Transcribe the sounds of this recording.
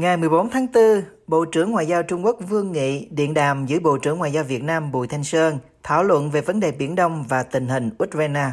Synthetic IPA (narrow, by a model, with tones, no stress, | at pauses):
ŋa˨˩jmɨ˨˩əjɓo˨˦nt̪ʰaː˨˦ŋt̪ɨ˧ɓo̰˧˨t͡ɕɨ˧˩əŋːwa̰ː˧˨jzaː˧wt͡ɕʊ˧ŋ͡mku˦˥ək̚vɨ˧əŋːḭ˧˨ɗḭ˧˨ənɗa̰ː˧˨mzɨ̰˧˥əjɓo̰˧˨t͡ɕɨ˧˥əŋwa̰ː˧˨jzaː˧wvi˨˩ət̚naː˧mɓṵ˧˨jt̪ʰa˧jŋ̟səː˧n | t̪ʰa̰ː˧˩˨wlwə̰˧˨nve˨˩və˨˦nɗe˨˩ɓi˧˩ənɗə˧wŋ͡mvaː˨˩t̪ï˨˩ŋ̟ɦï˨˩ŋ̟ʔu˦˥t̚za˧naː˧